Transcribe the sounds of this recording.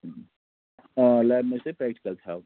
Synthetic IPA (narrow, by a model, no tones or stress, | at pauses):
lɛːbmẽsepeːk̚ʈkəɾt̪ʰa